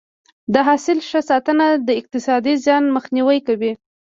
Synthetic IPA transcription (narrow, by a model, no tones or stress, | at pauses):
d̪əɦɑsɪlʃəsɑt̪ənad̪əɪq̚t̪ɪsɑd̪izjɑnməxniwəjkawi